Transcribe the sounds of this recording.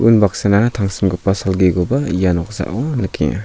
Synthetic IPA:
unbaksananɐtʰaŋsimɡɯpasalɡeɡobɐjanɔk̚za̰ʔɔnɯkʰḭ

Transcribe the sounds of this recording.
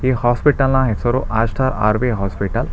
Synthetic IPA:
ehɔspiʈalnãɦesɔɾoʔastʰaɾa̰ɾbeɦɔspiʈal

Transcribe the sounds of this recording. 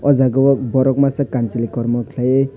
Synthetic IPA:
ɔzaɡɔwɔk̚bɔɾɔk̚masakant͡ʃilikɔɾmɔkʰlaje

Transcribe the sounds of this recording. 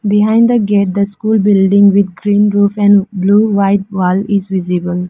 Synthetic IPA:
bɪɦãɪ̃nɖd̪əɡeʈ̚d̪əskuːlbɪlɖɪ̃ŋʋɪd̪̚ɡɾĩːnɾuːfɛ̃nbluːʋaɪʈ̚ʋɔːlɪzʋɪzibəl

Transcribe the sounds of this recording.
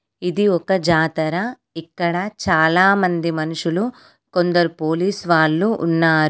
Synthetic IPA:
id̪iɔkɐd͡ʒaːt̪ɐɾɐ | ikːɐɽɐt͡ʃaːlaːmɐnd̪imɐnuʂulu | ko̞nd̪ɐɾupo̞ːliːsʋaːlːuʔːnːaːɾu

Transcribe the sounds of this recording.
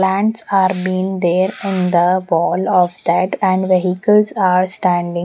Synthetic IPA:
læ̃ɳʈsaːɾbiːɪ̃ŋd̪eːɾɪ̃nd̪əʋɔːlɔːʋd̪æʈæ̃ɳɖʋeɦikəlsaːɾsʈæ̃ɳɖɪ̃

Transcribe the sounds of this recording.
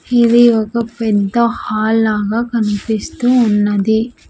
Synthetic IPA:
idiɔkɐpɛd̪ːɐhaːlaːɡaːkɐnipist̪uːnːɐd̪i

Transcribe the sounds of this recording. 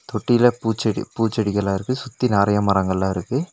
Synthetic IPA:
t̪ɔʈːɪjɪlɐpuːt͡ʃːɐɽḭpuːt͡ʃːɐɽɪkːɐlãːɪɾɯkːɯsʊt̪ːinaːɾɐjamɐɾɐŋɡɐɪlːãːɪɾɯkːɯ

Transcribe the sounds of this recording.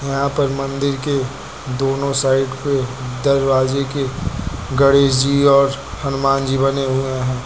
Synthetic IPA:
jɐɦãpɐɾmɐ̃nd̪ɪɾke | d̪oːnõsaːɪɖped̪ɐɾɾaːd͡ʒekeɡɐɽeːd͡ʒiɔːɾhɐnʊmaːnd͡ʒibɐneɦueɦɛ̃ː

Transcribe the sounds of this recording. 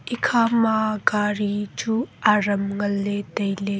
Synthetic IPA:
ʔikʰamaɡaɾid͡ʒuaɾɐmŋɐlːetɐjle

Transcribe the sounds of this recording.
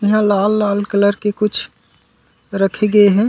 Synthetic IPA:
ɪɦãlaːlːaːlkələɾkekʊt͡ʃʰ | ɾəkʰeɡəeɦɛ̃

